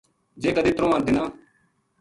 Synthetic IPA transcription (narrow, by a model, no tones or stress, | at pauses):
d͡ʒeːkəd̪iːt̪ɾõːãːnd̪iːnaː